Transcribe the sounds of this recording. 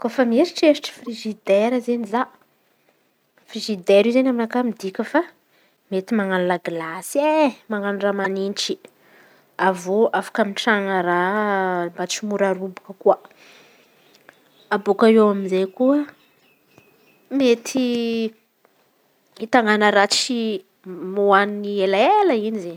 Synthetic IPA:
kofamieɾiʈ͡ʂeɾiʈ͡ʂə̥friʒid̪eɾəzeniza | frizid̪eɾizenaminakamid̪ikʲəfa | met̪imaŋalunaɡlasemaŋanuɖ͡ʐamaninʈ͡ʂi̥ | avoʔafḁkamiʈ͡ʂaŋəɾambat͡ʃimuɾaɾubukəkua | abukaewaminzejkuə | met̪ʰi | it̪aŋanəɾat͡ʃi | muaninielaeləinizen

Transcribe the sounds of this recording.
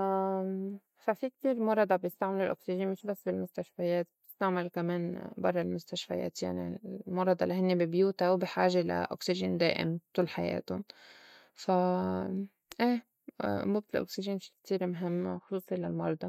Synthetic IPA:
fafik̚t̪iːɾmɑɾˤɑd̪ˤɑbjɪst̪aʕmɪlɪlʔoksɪʒiːnmɪʃbasːbɪlmʊst̪aʃfajeːt̪̚b̚t̪ɪ̥st̪aʕmɪlkameːnbɑrˤːɑlmʊst̪aʃfa̰jḛːt̪ja̰ʕnḭmɑɾˤɑd̪ɑlaɦɪnːebɪbjuːt̪awbiħaːʒela̰ʔoksɪʒɪnd̪ḛːʔɪ̰mt̪uːlħajḛːt̪ʊ | fa | ʔḛː | muːb̚t̪ɪlʔo̰ksiʒinfi̥k̚t̪iːɾmɦɪmːxʊ̥sˤuːsˤilalmɑɾˤd̪ɑ

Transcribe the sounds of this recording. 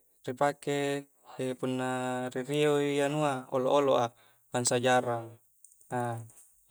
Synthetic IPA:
ripake | epunːaɾiɾiojanuaoloʔoloʔa | lansad͡ʒaɾaŋ | a

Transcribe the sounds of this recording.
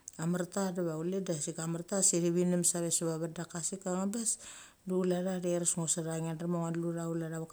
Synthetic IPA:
amaɾtadaβawledasikamaɾtasiɾiβinemsaβesaβaβadakasikaŋabes | dulaɾaɾeɾasŋosaɾaŋanaɾmoŋanluɾaulaɾaβak

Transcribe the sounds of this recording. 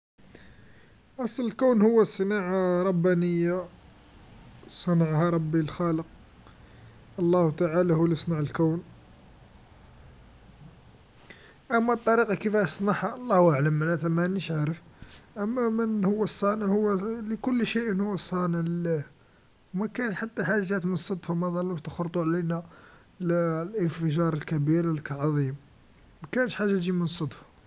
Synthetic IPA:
ʔɑsˤləlkəwnhʊwːæsˤənaʕaɾˤɑbːænəjːa | sˤɑnɑʕhɑɾˤɑbːilxɑləq̚ | ʔɑlˤːɑht̪aʕalahʊwlisˤnɑʕəlkəwn | ʔæmːæt̪ˤːɑɾiqɑkəfæʃsˤnɑħhaʔɑlˤːɑhwʔaʕləmːənæt̪æmæniʃʕaɾəfʔæmːæmənhʊwːæsˤːɑnəʕhʊwːæləkʊlːʃeʔənhʊwːæsˤɑnəʕl | wmækænʃħat̪ːæħaʒːæt̪mənsˤɑd̪ˤfumæd̪ˤɑlːuʃt̪əxɾt̪ˤuʕlinæ | llənfəʒɑɾˤəlkæbiɾəlkʕɑðˤim | mækænəʃħaʒːat̪ʒimənsˤːɑd̪f

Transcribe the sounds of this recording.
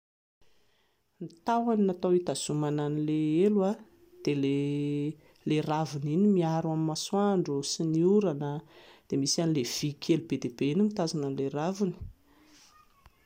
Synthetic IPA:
nit̪awannat̪awit̪az̥umananileelwa | d̪̥ele | leravuninimiaɾwamimaswaɳɖ͡ʐusiniuɾanəd̪̥emisanilev̥ikʲʰelubed̪ebeinimit̪azinəleɾavuni̥

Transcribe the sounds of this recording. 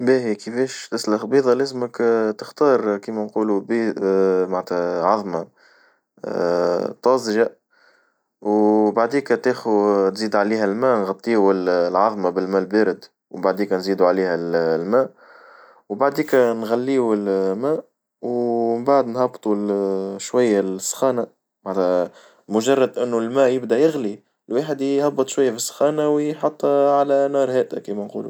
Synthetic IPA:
bæːhikəfɛːʃt̪ɪslxbiːðˤɑlæːzməkt̪əxt̪ɑːɾˤkiːmænquːlubiːmaʕt̪ʰæʕɑðˤmɑ | t̪ˤɑːsˤʒa | wbaʕd̪iːkæt̪eːxut̪ziːd̪ʕaliːɦælmæːnɣɑt̪ˤːiːullʕɑðˤmabɪlmæːlbeːɾɪd̪ | wbaʕd̪iːkænziːd̪uʕaliːhællmæːʔ | wbaʕd̪iːkænɣalːiːuɪlmæːʔ | wmbaʕd̪nhɑbt̪ˤuʃwajːasːxɑːna | mat̪ | mʊʒɑrˤːɑd̪ʔɪnːulmæːʔjɪbd̪æjɪɣli | lwaːħəd̪hɑbːɨt̪ˤʃwajːafisːxɑːnawjħɑt̪ˤːʕalænɑːɾˤhæːʔt̪æ̰kiːmænqṵːlṵ

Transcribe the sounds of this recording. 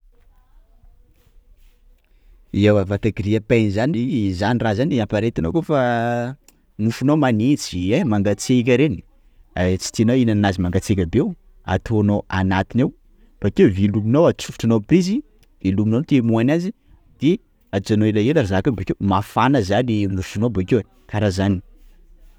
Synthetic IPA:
ewavat̪aɡiɾiapenizanizanirazaniampaɾet̪anokofa | nufunowmanit͡siemaŋɡat͡sekʲəɾeni̥ | at͡si̥t̪inoinannazimaŋɡat͡sekʲəbew | a̰t̪ʰonoanat̪inew | b̥akewviluminowat͡sufu̥ʈ͡ʂanopɾizi | viluminot̪emuanazi | d̪̥e | at͡sanoilaelaɾazakanbakewmafanəzaninuʃunobakewe | kaɾazani̥

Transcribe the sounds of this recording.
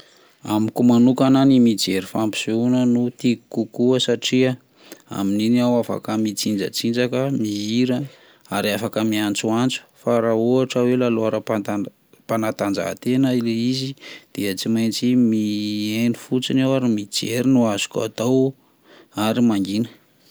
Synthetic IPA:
amikumanukananimid͡zeɾifampi̥suunənut̪iku̥kukuəsaʈ͡ʂia | a̰mininiawafa̰kəmit͡sind͡ʒə̰t͡sind͡ʒakəmiiɾə | aɾiafakəmiant͡suant͡su̥faɾaoaʈ͡ʂawelaloaɾapaa | panat̪and͡za̰ɦt̪enəileizid̪̥eət͡simajnt͡simienifut͡sinawaɾimid͡ʒeɾinuazu̥ka̰t̪aw | aɾimaŋɡinə̥

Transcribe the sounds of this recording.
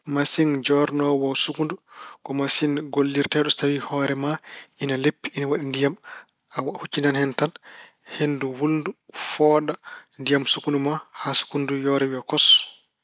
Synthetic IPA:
masind͡ʒɔɾnɔwawsukundukɔmasinɡolːiɾtaɗɔtawihɔːɾɛmaʔinalepːiinawaɗindijam | awhut͡ʃːindanhɛntan | henduwulndufɔːɗandijamsukundumahasu̥kundujɔɾɛwiɔkɔs

